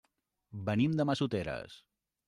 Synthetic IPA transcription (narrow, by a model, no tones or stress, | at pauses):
bənimd̪əməsut̪eɾə̰s